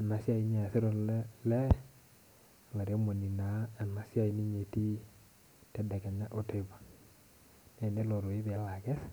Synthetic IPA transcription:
a˨na˨sja˦i˦ɲɛ˨sɪ˦ɾo˦nlɛ˦˨ | la˨ɾe˦mo˨ni˨na˨˦a˨na˨sja˦i˨ni˦ɲe˨ti˦ | tɛ˦dɛ˨kɛ˨ɲa˦ʔo˦te˦˨ba˨ | nɛ˦˨ne˦lo˨ɾo˨ɪ˦ðɪ˨a˨˦la˨kɛ˦s

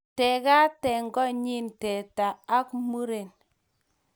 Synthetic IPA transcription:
tɛ˨ka˦tɛ˨ŋɡɔ˦ɲi˦ntɛ˨taː˨˦kmu˦ɾe˨n

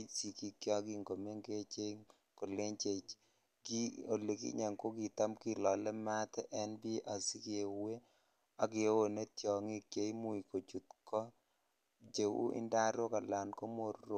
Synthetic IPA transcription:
i˦si˨ki˦kjɔ˦ɡi˦ŋɡo˨me˦ŋɡe˦t͡ʃe˦ŋ | ko˨le˦ɲt͡ʃe˨ | ki˦o˨lːe˨kḭ˦ɲɛ˨ŋko˦ki˨ta˦mki˦lɔ˨lɛ˦ma˦tɛ˦ʔɛ˦nbi˦ʔa˨si˦ke˨we˦ | a˨kɪ˨˦wo˨ne˦tjɔ˨ŋi˦kje˨i˦mu˨i˨ko˨t͡ʃu˨t̪kɔ˦ | d͡ʒe˨wṵ˦ʔɪ̰˦nda˦ɾo˦ka˨la˨nko˦mo˨ro˨

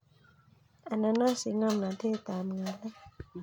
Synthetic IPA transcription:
ʔa˨na˧˦nːɔː˦˥˩si˨˦ŋa˧˩˨mna˨˦t̪ʰiː˧˨t̪aː˨mŋa˨da˦˨

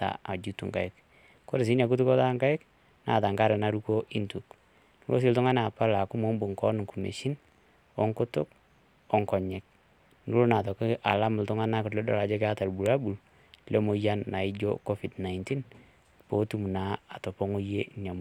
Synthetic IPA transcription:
ta̰˨a˨d͡ʒu˦tu˨ŋka˨ɪ˦k | ko˦ɾɪ˨s̬i˦na˨k̬u˦tu˦kɔ˦ta˦ŋka˦ɪ˦k | na̰˨ta˨ŋɡa˦ɾɛ˨na˦ɾu˦ko˦ʔi˦ntu˨k | n˦lo̰˦s̬i˦ltʊ˦ŋa˦n˦a˨pa˦la˨kʊ˦mo˦mbu˨ŋkɔ˦n˨ŋku˨mḛ˨ʃi˦n | ɔ˦ŋkʊ˦tʊ˦k̚ | ɔ˦ŋkɔ˨ɲɛ˨k̚ | nu˦lo˦na˨tɔ˨kɪ˦ʔa˨la˦mʊ˨ltʊ˦ŋa˦na˦kʊ˨tlɛ˦dɔ̰˨ɾa˨d͡ʒɔ˦ke˦a˦ta˨lbu˨ɾa˦bu˨l | lɛ˦mo˨ja˦nːa˨ɪ˦d͡ʒo̰˦kɔ˦fi˨dna˨ɪnti˦n | po˨˦tu˦mu˨na˨˦a˨tɔ˨pɔ˦ŋo˦je˦nja˨m

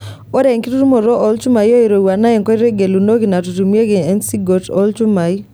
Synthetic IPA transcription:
o˦ɾɛ˨ŋki˦ɾu˦ɾu˦mo˨ɾɔ˦ʔɔ˦lt͡ʃu˦ma˨jo˦i˨ɾo˨wa˨na˦ɛ˨ŋkɔ˦i˦ɾe˦ɡe˨lu˨no˦ɡi˨na˨tu˨tu˨m˦e˦ɡe˨ɛ˦nsi˦ɡo˨tɔ̰˦lt͡ʃu˦ma˨j

